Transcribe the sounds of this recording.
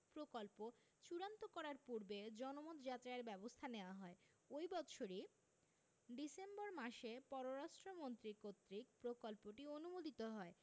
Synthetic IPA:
pɾokolpo | t͡ɕuɾant̪okɔɾaɾpuɾbed͡ʑɔnomot̪d͡ʑat̪ɾaeɾbɛbost̪ʰaneoaɦɔe | ojbɔt̪ʃʰoɾi | ɖisemboɾmaʃepɔɾoɾaʃʈɾomont̪ɾikot̪ːɾikpɾokolpoʈionumod̪it̪oɦɔe

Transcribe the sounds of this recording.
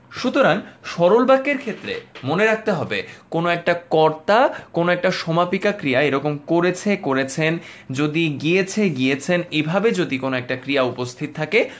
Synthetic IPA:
ʃut̪oɾaŋʃɔɾolbakːeɾkʰet̪ːɾḛmoneɾak̚ʰt̪eɦɔbḛkonoɛk̚ʈakɔɾt̪akonoɛk̚ʈaʃɔmapikakɾijaeɾɔkomkoɾet͡ɕʰekoɾet͡ɕʰend͡ʑod̪iɡiet͡ɕʰeɡiet͡ɕʰenebʱabed͡ʑod̪ikonoɛk̚ʈakɾijaupost̪ʰit̪t̪ʰake

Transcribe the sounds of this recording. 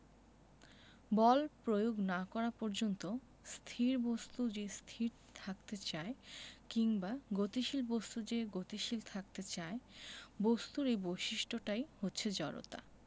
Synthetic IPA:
bɔlpɾojoɡnakɔɾapɔɾd͡ʑont̪o | st̪ʰiɾbost̪ud͡ʑest̪ʰiɾ | t̪ʰakt̪et͡ɕaekiŋbaɡot̪iʃilbost̪ud͡ʑeɡot̪iʃilt̪ʰak̚t̪et͡ɕaebost̪uɾeboʃiʃʈʰoʈajhotːɕʰed͡ʑɔɾo̰t̪a̰

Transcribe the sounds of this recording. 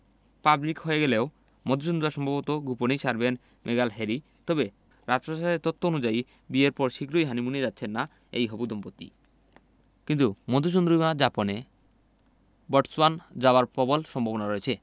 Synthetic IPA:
pablikɦoeɡeleo | mɔd̪ʱuʃond̪ɾuaɾʃɔmbʱabot̪oɡuponiʃaɾben | mʔeɡalɦeɾi | t̪ɔbe | ɾad͡ʑpoʃaɾeɾt̪ot̪ʰːoonud͡ʑai | bieɾpɔɾʃikɾojɦanimunied͡ʑatːɕʰenːa | ḛjɦɔbud̪ompot̪ːḭ | kint̪umɔd̪ʱuʃ̬ond̪ɾumad͡ʑapone | bɔʈswand͡ʑaoaɾpɔbolʃɔmbʱobonaɾoet͡ɕʰe

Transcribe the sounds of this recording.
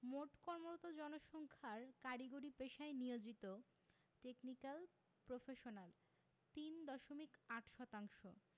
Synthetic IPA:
moʈkɔɾmoɾot̪od͡ʑɔnoʃɔŋkʰaɾkaʈiɡoɾipeʃaenijod͡ʑit̪o | ʈeknikal | pɾofeʃonal | t̪ind̪ɔʃomikaʈʰʃɔt̪aŋʃo̰

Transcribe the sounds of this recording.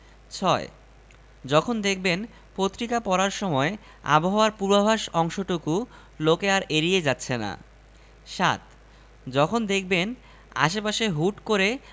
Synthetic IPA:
t͡ɕʰɔe | d͡ʑɔkʰond̪ek̚ʰben | pot̪ːɾikapɔɾaɾʃɔmɔe | a̰boɦaoaɾpuɾbabʱaʃɔŋʃoʈuku | lokeaɾʔeɾijed͡ʑatːɕʰena̰ | ʃa̰t̪ | d͡ʑɔkʰond̪ek̚ʰben | a̰ʃepaʃeɦuʈkoɾe

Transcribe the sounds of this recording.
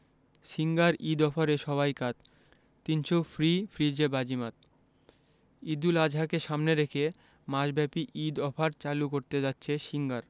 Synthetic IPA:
ʃiŋɡaɾʔid̪ɔfʰaɾeʃɔβajkat̪ | t̪ːinʃofɾifɾid͡ʑebad͡ʑimat̪̚ | id̪ulad͡ʑʱɦakeʃamneɾekʰe | maʃbɛpiʔid̪ɔfʰaɾt͡ɕalukoɾt̪ed͡ʑatːɕʰeʃiŋɡaɾ

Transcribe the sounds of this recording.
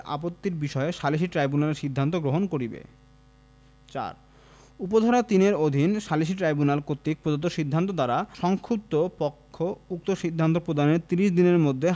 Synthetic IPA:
a̰pot̪ːiɾbiʃɔeʃaliʃ̬iʈɾajbunaleɾʃid̪ʱːant̪oɡɾoɦonkoɾibḛ | t͡ɕa̰ɾ | up̬od̪ʱaɾat̪ineɾod̪ʱinʃaliʃ̬iʈɾajbunalkot̪ːik̚pɾod͡ʑont̪oʃid̪ʱːant̪̬od̪aɾaʃɔŋkʰup̚t̪opɔkʰːouk̚t̪oʃid̪ʱːant̪opɾod̪aneɾt̪iɾiʃd̪ineɾmod̪ʱːe

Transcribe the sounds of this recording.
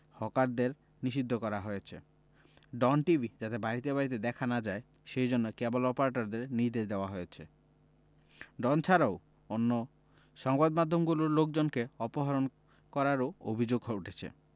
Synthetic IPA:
hɔkaɾd̪eɾ | niʃid̪ʱːɔkɔɾaɦojet͡ʃʰḛ | ɖɔnʈibʱid͡ʒat̪ebaɾit̪ebaɾit̪̬ed̪ɛkʰanad͡ʒae | ʃejd͡ʑonːɔkebɔlɔpaɾeʈɔɾd̪eɾniɾd̪eʃd̪eoaɦojet͡ʃʰe | ɖɔnt͡ʃʰaɾaw | onːo | ʃɔŋbad̪mad̪ʱːɔmɡuluɾlok̚d͡ʒonkeɔpɔɦɔɾon | kɔɾaɾoobʱid͡ʑoɡɦuʈʰet͡ɕʰḛ

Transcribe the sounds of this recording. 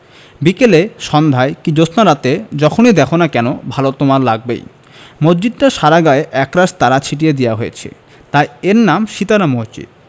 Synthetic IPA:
bikeleʃɔnd̪ʱaekid͡ʑosnaɾat̪ed͡ʑɔkʰonid̪ɛkʰonakɛnobʱalot̪omaɾlaɡ̚bḛj | mod͡ʑd͡ʑid̪̚ʈaʃaɾaɡaeʔɛkɾaʃt̪aɾat͡ɕʰiʈ̬ijed̪ijaɦojḛt͡ɕʰḛ | t̪ajeɾnamʃit̪aɾamoɦt͡ɕḭ

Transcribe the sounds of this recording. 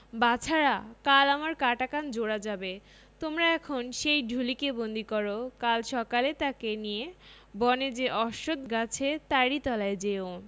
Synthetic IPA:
bat͡ɕʰaɾakalamaɾkaʈakand͡ʑoɽad͡ʑabe | t̪omɾaɛkʰonʃejɖʱulikebond̪ʱikɔɾokalʃɔkalet̪akenije | bɔned͡ʑeʔɔʃod̪ɡat͡ɕʰet̪aɾit̪ɔlaed͡ʑeo

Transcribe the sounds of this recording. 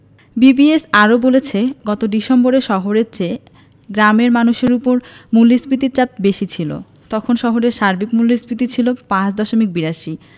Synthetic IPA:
bibiesaɾobolet͡ɕʰeɡɔt̪odiʃemboɾeʃɔɦoɾeɾt͡ɕe | ɡɾameɾmanuʃeɾupoɾmulːispɾit̪iɾt͡ɕap̚beʃit͡ɕʰilo̰ | t̪ɔkʰonʃɔɦoɾeɾʃaɾbikmulːispɾit̪̬it͡ɕʰilopãt͡ɕd̪ɔʃomik̚biɾaʃi

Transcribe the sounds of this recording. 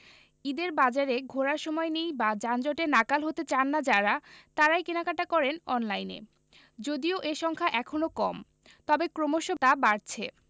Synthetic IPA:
id̪eɾbad͡ʑaɾeɡʱoɾaɾʃɔmɔenejbad͡ʑand͡ʑɔʈenakalɦot̪et͡ɕanːad͡ʑaɾat̪aɾajkenakaʈakɔɾenɔnlajnḛ | d͡ʑod̪ioʔeʃɔŋkʰaʔɛkʰonokɔm | t̪ɔbekɾomoʃot̪abaɾt͡ɕʰe

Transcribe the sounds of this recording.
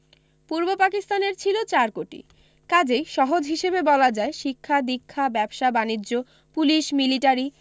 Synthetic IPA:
puɾbopakist̪aneɾt͡ɕʰilot͡ɕaɾkoʈḭ | kad͡ʑejʃɔɦod͡ʑɦiʃebebɔlad͡ʑaeʃikʰːad̪ikʰːabɛbʃabanid͡ʑːo | puliʃmiliʈaɾi

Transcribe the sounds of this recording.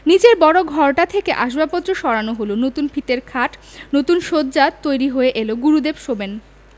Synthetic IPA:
nid͡ʑeɾbɔɽoɡʱɔɾʈat̪ʰekeʔaʃbapot̪ːɾoʃɔɾanoɦolonot̪unfʰit̪eɾkʰaʈnot̪unʃod̪̚d͡ʑat̪ːojɾiɦoeʔeloɡuɾud̪ebʃoben

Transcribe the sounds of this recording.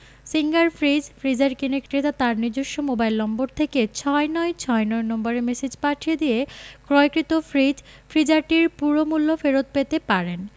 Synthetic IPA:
siŋɡaɾfɾid͡ʑfɾid͡ʑaɾkinekʈɾet̪at̪aɾnid͡ʑoʃːomobajlnɔmboɾt̪ʰeket͡ɕʰɔenɔjt͡ɕʰɔenɔjnɔmbaɾemesid͡ʑpaʈʰijed̪ijekɾɔjkɾit̪ofɾid͡ʑfʰɾid͡ʑaɾʈiɾpuɾomulːofeɾot̪̚pet̪epaɾen

